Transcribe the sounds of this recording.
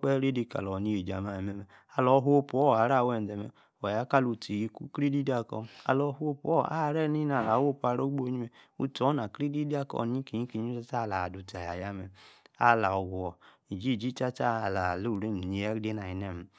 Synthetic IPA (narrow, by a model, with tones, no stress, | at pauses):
k͡pɛ˦ɾe˦di˧ka̰˨lɔ˨ni˧je˨d͡ʒa˨ma˨ɛ˨mɛ˦mɛ˨ | a˨lɔ˨˦ɦpu˨ɔ˦˨a˨˦ɾa˦˨wɛ˨dɛ˨mɛ̰˨ | ɔ˨ja˦ka˦lu˧ti˨ji˧˦ku˦kɾe˦di˦da˦kɔ̰˧a̰˧lɔ˨˧˦hʷo˦pɔ˦˨a̰˦˨˦ɾɛ˦ni˦na˨la˨˦wo˦pa˧˨ɾo˦ɡ͡bo˦ɲi˦mɛ˨ṵ˦tɔ˨˦na˨kɾe˦di˦di˦a˦kɔ̰˦˨n˦i˦ki˨ɲi˦ki˨ɲ˦a˦ta˦˨la˨du˨ta˨ja˨ja˦mɛ˨a̰˦˨la˨ɔ˨ɡu˨ɔ˨ | i˨d͡ʒi˦˨d͡ʒi˦t͡ʃa˦ta˦˨la˨lo˦˨ɾe˦˨m˨ɲi˨a˦de˦na˨i˨nɛ˦˨m˨˦